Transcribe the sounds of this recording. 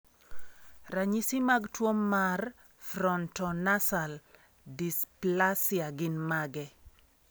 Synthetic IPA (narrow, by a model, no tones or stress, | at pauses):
raɲisimaɡtwomːar | fɾɔntɔnasal | displasjaɡɪnmaɡɛ